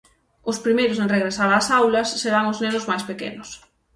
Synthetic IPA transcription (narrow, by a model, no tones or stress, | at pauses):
ʊspɾimejɾʊseŋreɣɾesaɾasawlɐsːeɾaŋʊznenʊzmajspekḛnʊs